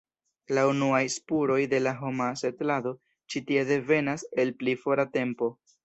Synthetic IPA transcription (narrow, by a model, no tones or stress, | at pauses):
launuajspuɾo̞jde̞laɦo̞mase̞tlado̞ | t͡ʃitie̞de̞ve̞nase̞lplifo̞ɾate̞mpo̞